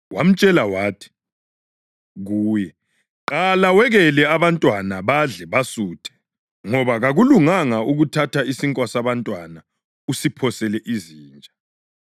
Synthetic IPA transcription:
wa̰m̩t͡ʃʼɛlawaːtʰi̥ | ɣuːjɛ | ǃalawɛɣɛlɛaβantʼwanaβaɮɛβasuːtʰɛ̥ | ŋɔβaɣaɣuluŋaŋauɣutʰatʰaisiŋkʼwasaβantʼwana | usipʰɔsɛlɛʔiziːnt͡ʃʼa

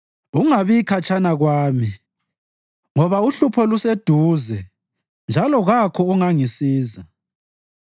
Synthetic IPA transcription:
uŋaβikʰat͡ʃʰʼanaɣwaːmi | ŋɔβauɬupʰɔlused̥ʱuzɛ | nd͡ʒʱalɔɣakʰɔuŋaŋisiːza

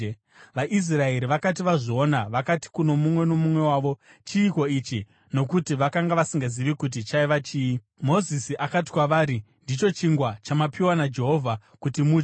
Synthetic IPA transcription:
ʋaʔis̬rae̞ɾiʋakat̬iʋaʐoonaʋakati̥kuno̞mumwe̞no̞mumwe̞waːʋo | t͡ʃiːko̞it͡ʃi | no̞kutiʋakaŋɡaʋasiŋɡaziʋikut̬it͡ʃaiʋat͡ʃiːi | mo̞zisiʔakati̥kwaʋaːɾi | ndit͡ʃo̞t͡ʃiŋɡwat͡ʃamapiwanad͡ʒe̞ɦo̞vʱa | kutimu

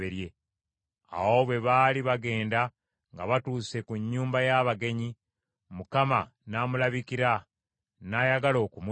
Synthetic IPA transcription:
eɾje | a̰wo̞βwe̞βaːliβaɡe̞ːnda | ŋɡa̰βatuːse̞kuɲːuːmbajaβaɡe̞ɲi | mukamanaːmulaβikiɾa | najaɡalo̞ːkum

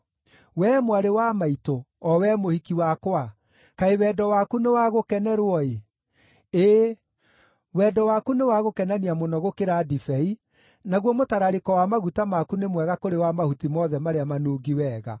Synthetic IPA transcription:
wɛmwaɾewamaito | ɔwɛmohikiwakwa | kaewɛdɔwakunewaɣokɛnɛɾwɔe | eː | wɛdɔwakunewaɣokɛnaniamonɔɣokeɾadifɛi | naɣwɔmotaɾaɾekɔwamaɣutamakunemwɛɣakoɾewamahutimɔðɛmaɾeamanoːɡiwɛːɣa̰

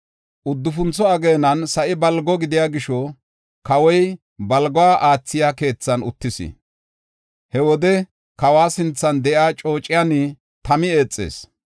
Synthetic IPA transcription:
ʔʊd̪ːʊfʊnt͡sːɔɐɡeːnɐnsɐʔɪbɐlɡɔɡɪd̪ɪjaːɡɪʃɔ | kɐwɔj | bɐlɡɔwaːʔaːt͡sːɪjaːke̞ːt͡sːɐnʊ̰t̪ːɪsɪ̰ | hɛwɔd̪ɛ | kɐwaːsɪnt͡sːɐnd̪ɛʔaːt͡ʃʼo̞ːt͡ʃʼːɪjanɪ | t̪ɐmɪe̞ːt͡sʼːḛːs

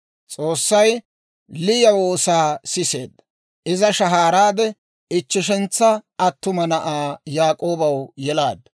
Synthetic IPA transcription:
t͡sʼo̞ːsːɐj | lɪjɐwoːsaːsɪsḛːd̪ːɐ | ʔɪzɐʃɐɦaːɾaːd̪ɛ | ɪt͡ʃːɪʃɛnt͡sːɐɐt̪ːʊmɐnɐʔaːjaːkʼo̞ːbɐwjɛlaːd̪ɐ

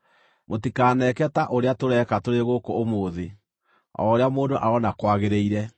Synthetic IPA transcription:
motikaːnɛkɛtaʔoɾeatoɾɛkatoɾeɣokoomoːðe | ɔ̰oɾeamoːndoʔaɔnakwaɣeɾeiɾɛ

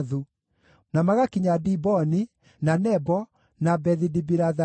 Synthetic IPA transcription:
ðu | namaɣakiɲadibɔni | nanɛbɔ | nabɛðidibiɾaða

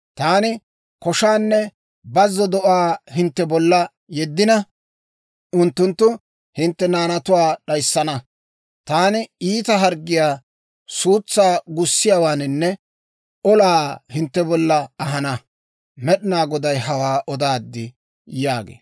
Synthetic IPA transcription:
t̪aːnɪ | kɔʃaːnːɛ | bɐzːɔd̪ɔʔaːhɪnt̪ːɛbɔlːɐ | jɛd̪ːɪnɐ | ʊnt̪ːʊnt̪ːʊ | hɪnt̪ːɛnaːnɐt̪ʊwaːɗɐjsːɐnɐ | t̪aːnɪiːt̪ɐɦɐɾɡːɪjaː | suːt͡sːaːɡʊsːɪjaːwaːnɪnːɛ | ɔlaːhɪnt̪ːɛbɔlːɐɐɦɐnɐ | mɛɗɪnaːɡɔd̪ɐjɦɐwaːʔɔd̪aːd̪ːɪ | jaːɡḛː

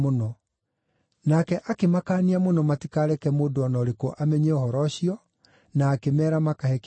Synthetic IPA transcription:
onɔ | nakɛʔakemakaːniamonɔmatikaːɾɛkɛmoːdoɔnɔɾekoʔamɛɲɛɔhɔɾɔɕiɔ | naːkemɛːɾamakahɛk

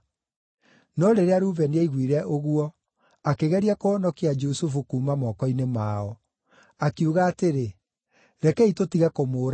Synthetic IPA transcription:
nɔɾeɾeaɾuːvɛneaiɣwiɾɛʔoɣuɔ | akeɣɛɾiakoɔnɔkiad͡ʒusufukuːmamɔkɔinemaɔ | akiuɣaːteɾe | ɾɛkɛitotiɣakomoːɾa

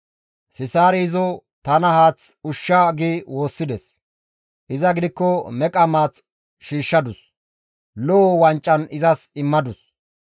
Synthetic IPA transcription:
sɪsaːɾɛɪzɔ | t̪ɐnɐhaːt͡sʊʃːɐɡiːwo̞ːsːɪd̪ɛs | ʔɪzɐɡɪd̪ɪkːɔmɛkʼɐmaːt͡s | ʃiːʃːɐd̪ʊs | lɔɔwɐnt͡ʃʼːɐnɪzɐsɪmːɐd̪ʊs

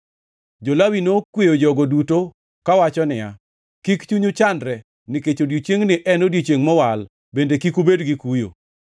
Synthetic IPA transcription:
d͡ʒolawinokwejod͡ʒɔɡoduto | kawat͡ʃɔnɪja | kikt͡ʃuɲʊt͡ʃandɾɛ | nɪket͡ʃodjit͡ʃeŋnɪʔɛnodjet͡ʃeŋmɔwal | bendekikubedɡikujo̰

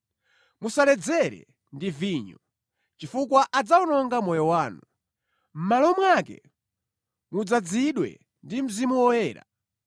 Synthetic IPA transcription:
musalɛd͡zɛɾɛ̰ | ndiviːɲɔ | t͡ʃifukwaʔad͡zaunɔŋɡamɔjɔwaːnu | m̩malɔmwakɛ̰ | mud͡zad͡ziɗwɛ̰ | ndim̩zimuwɔjɛːɾa̰

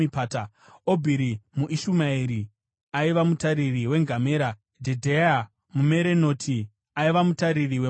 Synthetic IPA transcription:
ipaːta | obʱiɾimuʔiʃumaiɾi | aiʋamutaɾiriwe̞ŋɡʱame̞ːɾa | d͡ʒedʱea | mumeɾe̞no̞ːtʰi | aiʋamutaɾiriwe

